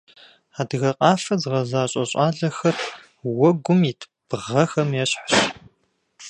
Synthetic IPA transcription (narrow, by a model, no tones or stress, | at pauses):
aːdɨɣɐqʼɑːfɐzɨʁɐzaːɕʼɐɕʼɑːɮɐxɐr | wɔɡʷʊmitʰ | b̥ʁɐxɐmjɛɕħaɕ